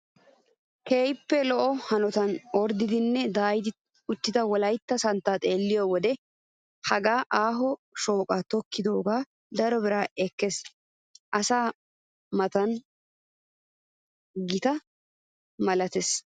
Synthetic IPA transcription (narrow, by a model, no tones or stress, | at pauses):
keːjpːɛlɔʔɔhɐnɔt̪ɐnɔɾd̪ɪd̪ɪnːɛd̪aːjɪd̪ɪ | ʊt̪ːɪd̪ɐwɔlɐjt̪ːɐsɐnt̪ːaːt̪ʼe̞ːlːɪjɔwɔd̪ɛ | hɐɡaːʔaːɦɔʃoːkʼat̪ɔkːɪd̪o̞ːɡaː | d̪ɐɾɔbɪɾaːɛkːɛs | ʔɐsaː | mɐt̪ɐn | ɡɪt̪ɐ | mɐlɐt̪ɛs